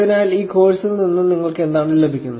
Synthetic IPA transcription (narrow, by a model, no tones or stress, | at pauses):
ðinaːjliːkʰo̞ːɻsilninːuniŋːɐɭke̞nd̪aːmnile̞bʱikʲːunːu